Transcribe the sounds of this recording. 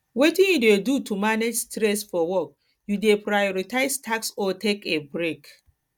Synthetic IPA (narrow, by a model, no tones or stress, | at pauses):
wetĩnjidedutumaned͡ʒstɾɛsfɔwɔk̚ | judepɾajɔɹitʰaɪztʰaksɔtʰekebɹek